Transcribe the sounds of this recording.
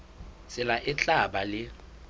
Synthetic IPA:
sʼɪlaʔɪt͡ɬʼaɓalɪ

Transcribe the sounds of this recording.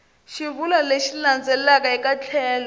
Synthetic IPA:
ʃiβulaleʃiland͡zɛlakaikat͡ɬʰɛːnɔ

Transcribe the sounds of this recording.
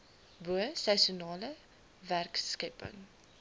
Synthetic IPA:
buəsɛsunɑːlə | værkskəpə̰ŋ

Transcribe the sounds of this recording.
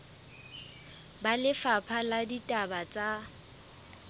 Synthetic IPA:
balɪfapʰaladitʼabat͡sʼa

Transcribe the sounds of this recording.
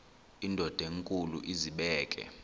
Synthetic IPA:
indʱɔd̥ʱeŋkʼulṵʔiziɓɛːkʼɛ̰

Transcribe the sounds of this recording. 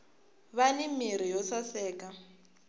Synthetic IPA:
βanimiɾ̤ijɔsasɛːka

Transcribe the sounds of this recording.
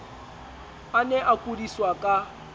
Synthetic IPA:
anɛʔakʼudiswakʼa

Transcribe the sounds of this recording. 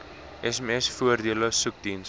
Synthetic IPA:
ɛsɛmɛsfuərdiələsuk̚d̪ins

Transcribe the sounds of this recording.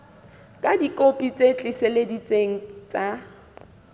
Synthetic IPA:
kʼadikʼopʼit͡sʼet͡ɬʼɪseledit͡sʼeŋ̩t͡sʼa

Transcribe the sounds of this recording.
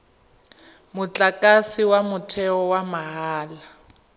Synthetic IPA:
mut͡ɬʼakʼasiwamutʰɛɔwamaɦaːla

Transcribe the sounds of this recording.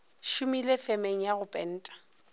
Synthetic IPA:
ʃumilefemeŋ̩jaɣʊpʼɛn̩ːtʼḁ

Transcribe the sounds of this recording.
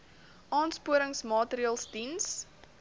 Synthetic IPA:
ʔɑːnspuəɾəŋsmɑːtəɾiɑːlˠsdins

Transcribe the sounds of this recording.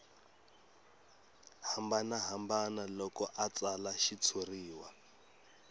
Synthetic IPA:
hambanaɦambanalɔkɔʔat͡salaʃit͡sʰuriːwa

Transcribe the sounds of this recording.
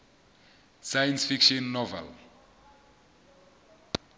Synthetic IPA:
sajɛnsfikʃɔnːɔvɛ̰l

